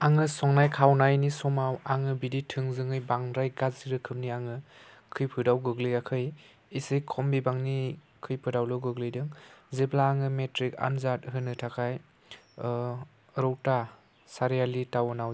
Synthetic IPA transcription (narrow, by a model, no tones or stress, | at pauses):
aŋɯsɔŋnajkʰawnajnisɔmawaŋɯbiditʰɯŋzɯŋɯjbaŋɾajɡaziɾɯkʰɯmniaŋɯ | kʰɯjpʰɯdawɡɯɡlɯjakʰɯj | isɯjkʰɔmbibaŋni | kʰɯjpʰɯdawlɯɡɯɡlɯjdɯŋziblaːŋɯmetɾika̰nzat̚ɦɯnɯtʰakʰaj | ɾɔwta | saɾijalitawɯnaw